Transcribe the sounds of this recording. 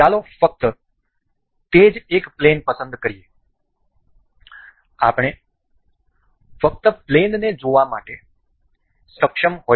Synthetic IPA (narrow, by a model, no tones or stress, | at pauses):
alofək̚t̪ə | t̪ed͡ʒekplenpəsənd̪kəɾije | a̰pɳ̃e | fək̚t̪əplenned͡ʒoʋama̰ʈe | səkʃəmɦo